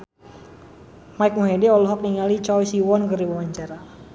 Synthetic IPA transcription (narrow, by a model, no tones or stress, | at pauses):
maik̚muɦedɛɔlɔɦɔk̚niŋalit͡ʃɔjsiwɔnkəriwawaɲt͡ʃaɾa